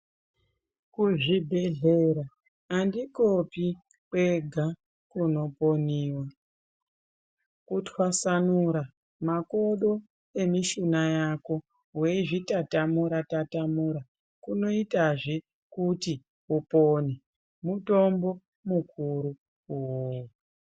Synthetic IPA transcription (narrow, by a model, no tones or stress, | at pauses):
kuʐibʱe̞ɮe̞ɾaː | ndikopi | kweɡʱa | kuno̞poniːwa | kutwasanuɾa | mako̞ɗo̞ | emiʃinajako̞ | ɦweʐitatamuɾatatamuɾa | kuno̞itaʐe | kuti | upone | muto̞mbo̞ | mukʰuɾu | uwu